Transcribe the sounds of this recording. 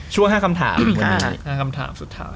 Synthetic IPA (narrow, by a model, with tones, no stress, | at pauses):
t͡ɕʰu˥˩əɦaː˥˩kʰa˧mt̪ʰa̰ː˩˦m˧˩haː˥˩kʰa˧mt̪ʰa̰ː˩˦msu˨˩t̪ʰːa̰ː˦˥